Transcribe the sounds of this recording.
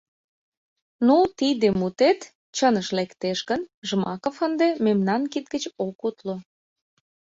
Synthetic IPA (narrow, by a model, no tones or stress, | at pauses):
nut̪id̪emut̪et̪ | t͡ɕənəʃlekt̪eʃɡənʒmɑkofənd̪ememnɑnkit̪̚ɡət͡ɕokut̪lo